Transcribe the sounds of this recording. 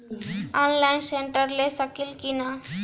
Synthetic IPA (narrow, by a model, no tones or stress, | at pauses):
ɔnlainseɳʈəɾlesəkiːlkina